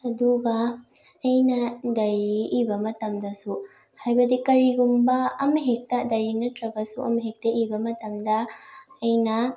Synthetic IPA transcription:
ɐd̪uɡɐː | jnɐd̪ɐjɾiʔːbɐmɐtɐmd̪ɐsu | hajbɐdikɐɾiɡumbɐɐmɐɦek̚tɐd̪ɐjɾinɐtɾɐbɐsuʔɐ̰mɐɦek̚t̪ɐibɐmɐtɐmdɐː | jnɐ

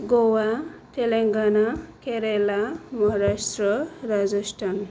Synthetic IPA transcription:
ɡowatʰeleŋɡanakeɾelamʌɦaɾasʈrʌɾad͡zʌsʈʰan

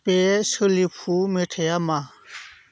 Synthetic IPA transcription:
pɛsulipʰumetʰɛjama

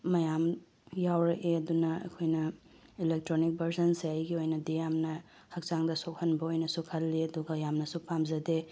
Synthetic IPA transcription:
mɐjam | jawɾɐʔeɐdunɐɐ̰kʰojnɐ | ilek̚tɾonik̚bʱɐɾsɐnsiajɡiojnɐdijamnɐ | hɐk̚t͡ʃaŋdɐsok̚hɐnbɐojnɐsukʰɐlːiɐduɡɐjamnɐsupamzɐde

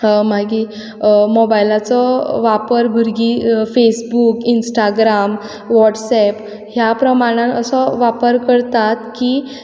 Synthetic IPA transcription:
maɡi | mɔbajlat͡sɔʋapəɾbʱəɾɡifesbukinsʈaɡɾam | ʋɔʈsɛp | ɦjapɾəmaɽ̃ãəsɔʋapəɾkəɽt̪at̪ki

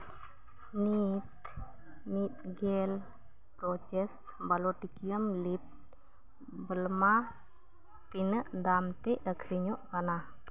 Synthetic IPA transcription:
nit̪ | nit̪̚ɡɛl | pɾɔt͡ʃɛst̪baloʈikiəmlip̚ | bəlma | t̪inəʔd̪amt̪ɛʔəkʰɾiɲɔʔkana

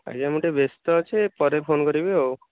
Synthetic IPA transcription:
a̰d͡ʒamuʈebest̪ɔt͡ʃʰepɔɾepʰonkɔɾibeo

